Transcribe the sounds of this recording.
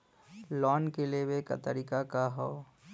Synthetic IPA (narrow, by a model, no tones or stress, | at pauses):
lɔːnkelebeka̰t̪əɾiːkakaɦoː